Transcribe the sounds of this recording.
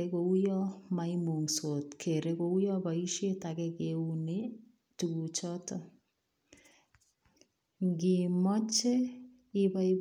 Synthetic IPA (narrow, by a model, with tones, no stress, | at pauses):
e˦ko˨u˦jɔ˦ma˨i˦mu˨ŋso˨tkʰe˨ɾe˦ko˨u˦jɔ˦ba˨i˦ʃe˦takɛ˦ke˨u˦ne˦ | tu˨ɡu˨t͡ʃɔ˦tɔ | ŋɡi˨mɔ˦t͡ʃe˦ | i˦ba˦i˦